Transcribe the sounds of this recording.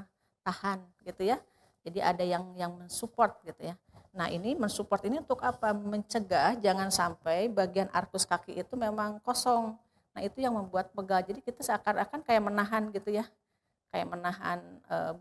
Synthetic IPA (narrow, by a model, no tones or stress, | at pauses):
t̪ahanɡit̪uja | d͡ʒadiʔa̰dajaŋjaŋmənsupɔrt̪̚ɡit̪uja | naɦinimənsupɔrt̪iniunt̪ʊkapaməɲt͡ʃəɡahd͡ʒaŋansampajbaɡianʔa̰rkʊskakiʔit̪umemaŋkosɔŋ | nahit̪ujaŋməmbuat̪̚pəɡald͡ʒadikit̪asəakanakankajaʔmənaɦanɡit̪uja | kaja̰ʔmənaɦa̰nə̰